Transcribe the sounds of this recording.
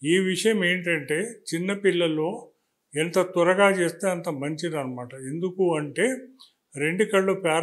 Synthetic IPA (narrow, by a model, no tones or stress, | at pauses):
iːʋiʂɐjɐme̞ːɳʈɐɳʈe̞ːt͡ʃinːɐpiɭːɐlo̞ː | ɛnt̪ɐt̪uɾɐɡaːt͡ʃe̞ːst̪eːɐnt̪ɐmɐɲt͡ʃid̪ɐnːɐmaːʈɐe̞nd̪ukuɐɳʈe̞ː | ɾe̞ɳɖikɐɭːupaː